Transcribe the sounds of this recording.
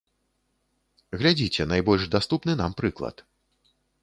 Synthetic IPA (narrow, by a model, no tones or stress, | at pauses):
ɣlʲad͡zʲit͡sʲɛnajbɔlʲʐd̪ast̪upnɨnampɾɨklˠɐ̰t̪